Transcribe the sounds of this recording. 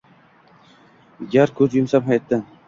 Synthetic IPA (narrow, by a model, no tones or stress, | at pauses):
ɡʲaɾkʰɵzjʊmsaphajt̪ːɪ